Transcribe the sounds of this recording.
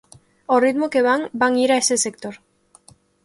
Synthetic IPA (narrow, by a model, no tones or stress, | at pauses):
orit̪mokeβaŋbaŋiɾaesesek̚t̪oɾ